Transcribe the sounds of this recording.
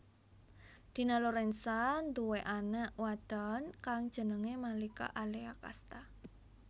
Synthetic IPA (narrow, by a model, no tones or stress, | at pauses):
d̪̥i̤naloɾɛnsand̪uweʔanaʔwad̪̥ankaŋd̥ʒ̥ə̤nəŋemalika̰ʔaleaka̰st̪a